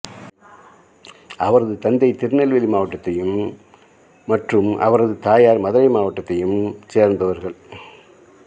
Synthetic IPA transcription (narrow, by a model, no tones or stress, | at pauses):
ɐʋɐɾɐðɯt̪ɐnd̪ɐɪt̪ɪɾɯnɛlʋɪlimaːʋɐʈːɐt̪ːɐjɯm | ɐʈrɯmʔɐ̰ʋɐɾɐðɯt̪aːjaːɾmɐðɐɾɐɪmaːʋɐʈːɐt̪ːɐjɯmseːɾnd̪ɐʋɐɾɣɐɭ